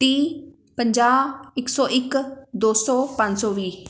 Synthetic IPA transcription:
ʈiː | pəɲd͡ʒaːɪksɔːʔɪkd̪oːsɔːpə̃ɲd͡ʒsɔːʋiː

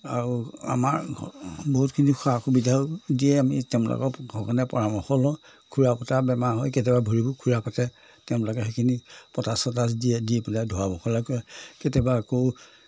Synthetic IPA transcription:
a̰ɹua̰maɹboɦutkʰinixʰaxubidʱaʊdiɛamḭtɛʊ̃lɔ̰kɔ̰ɡʱɔkɔnɛpɔɹamɔxɔlɔ | kʰuɹapɔtabɛmaɦɔjketɛbabʱɔɹibukʰuɹapɔtɛ | tɛʊ̃lɔkɛxekʰinipɔtasɔtasdiɛdiɛpiladʱɔabɔxʰɔlakɔɛkɛtɛbaako

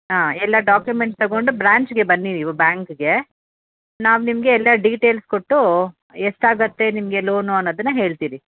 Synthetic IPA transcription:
ɦaːɛlːɐɖaːkjumeɳʈst̪ɐɡo̞ɳɖubɾaːɲt͡ʃɡe̞bɐnːiɾiʋbjaːŋkɡe̞ | naːʋunimɐɡe̞ːlːɐɖiːʈeːlskoʈːu | eʂʈaːɡɐt̪ːe̞nimɐɡe̞lo̞ːnuɐnːɐːd̪ɐnːɐɦe̞ːɭt̪iːɾi

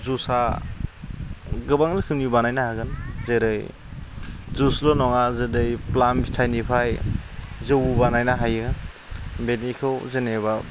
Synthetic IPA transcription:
zusa | ɡɯbaŋlɯkʰɯŋnibanajnahaɡɯnzeɾɯj | zuslɔnɔŋazɯdɯjplanbʰitʰajnipʰaj | zɯwubanajnaɦajɯ | benikʰɯwzeneba

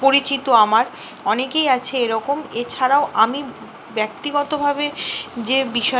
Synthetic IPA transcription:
poɾit͡ɕit̪oamaɾ | ɔnekejat͡ɕʰeeɾɔkomet͡ɕʰaɾaoʔami | bɛk̚t̪iɡɔt̪obʱabed͡ʑebiʃɔ

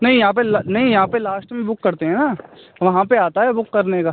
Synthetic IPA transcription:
nɐɦĩjɐɦãːp̬elnɐɦĩjɐɦãpelaːsʈmẽbʊkːɐɾt̪eɦɛ̃naː | ʋɐɦãpeaːt̪aɦɛbʊkːɐɾnekaː

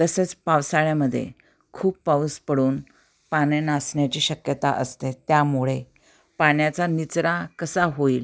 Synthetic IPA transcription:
t̪əset͡spaʋsaɭjaməd̪ʱːjḛ | kʰuːppawspəɽuːn | panenasɳjat͡ɕiːɕəkjət̪a̰ʔəst̪et̪jamuɭe | paɳjat͡sanit͡sɾakəsaɦoiːl

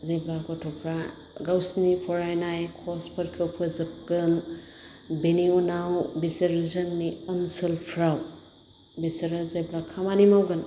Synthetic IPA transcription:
zejblakɔtʰɔpʰɾa | ɡawsnipʰɔɾajnajkʰɔspʰɐɾkʰewpʰɯzɯp̚ɡɯn | beniunawbisɐɾzɐnːiɐnsɯlpʰɾaw | bisɐɾazejblakʰamanimawɡɯn

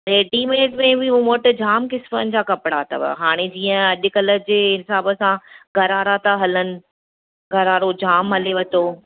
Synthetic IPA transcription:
ɾeːɖimɪnɪʈmẽbʱɪumoʈ̆d͡ʑaːmkɪsfənɪ̆d͡ʑaːkɐpɪɽaːt̪ʰa̰ʋ̰ɦaːɽ̃ed͡ʑiːə̃ɐʄʊ̆kɐləd͡ʑeːɪsaːbəsãɡʱɐɾaːɾat̪ʰaɦɐlənɪ̆ | ɡʱɐɾaːɾod͡ʑaːmɦɐleʋɐt̪oː

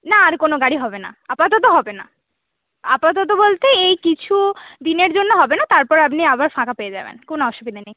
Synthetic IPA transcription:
naaɾkonoɡaɽiɦɔbena̰apat̪ot̪oɦɔbena̰ | a̰pat̪̬ot̪̬obolt̪eejkit͡ɕʰud̪ineɾd͡ʑonːoɦɔbenat̪aɾpɔɾeapniabaɾfãkapeed͡ʑa̰bḛnkonoɔʃubid̪ʱanej

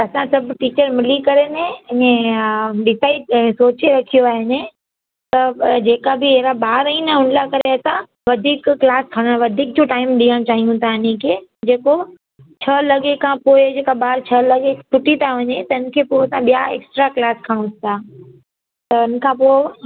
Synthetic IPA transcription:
ɐsãsɐbʱʈiːt͡ɕəɾmɪlikɐɾenẽɪɲẽɗɪsaːisoːt͡ɕeɾɐkʰijoaːɦɪnẽ | t̪ɐd͡ʑeːkabɪɦeːɾaɓaːɾinɐʊ̃nlakɐɾeɐt̪ã | ʋɐd̪ʱiːkːlaːskʰɐɽ̃əɽ̃ʋɐd̪ʱiːk̚d͡ʑoʈaːɪmɗiːəɽ̃t͡ɕaːɦijũt̪ʰãɪɲẽkʰeːd͡ʑeːko | t͡ɕʰɐlɐɠekʰãpoːɪd͡ʑeːkaɓaːɾt͡ɕʰɐlɐɠetʰʊʈit̪ʰaʋɐɲet̪ɐʊn̆kʰeːpoːɪsãɓijaḛːksʈɾaklaːskʰəɽ̃ũt̪ʰt̪ʰa | t̪ɐʊn̆kʰãpoːɪ

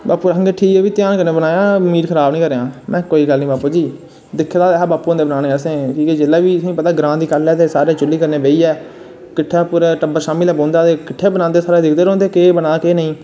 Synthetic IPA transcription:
baːpuːɾəŋɡeʈʰiːkɛːʋiːt̪ɪjaːnkəɾneːbənaːjãːmiːɾkʰəɾaːbnĩːkəɾeãːmɛ̃ːkoːiːɡəlnĩːbaːpoːd͡ʒiː | d̪ɪkʰːd̪aːt̪eɦaːbaːpuːɦõnd̪eːbənãːneːəsẽːkiːkeːd͡ʒelːaːʋiːəsĩːpət̪aːɡɾãːd̪iːkəlɛːt̪eːsaːɾeːt͡ʃʊlːiːkəɾneːbeːiːɛː | kɪʈʰːeːpʊɾʈəbəɾʃaːmiːlɛːbõːnd̪aːt̪eːkɪʈʰːeːbənãːnd̪eːsaːɾeːd̪ɪkʰd̪eːɾõːnd̪eːkeːbənaːkeːnəĩː

